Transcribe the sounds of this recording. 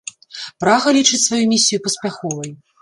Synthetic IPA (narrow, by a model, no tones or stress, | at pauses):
pɾaɣɐlʲit͡ʂɨt͡sʲsvajumʲisʲːijupɐsʲpʲaxɔvɐj